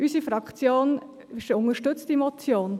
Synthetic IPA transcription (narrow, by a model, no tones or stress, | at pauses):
ʔysifɾɑkt͡sjoːn | ɪʃʊŋəʃtʏt͡stimɔt͡sjoːn